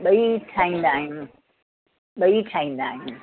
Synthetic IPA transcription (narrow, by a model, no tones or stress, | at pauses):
ɓɐiʈʰaːĩnd̪aːɦin | ɓɐiʈʰaːĩnd̪aːɦin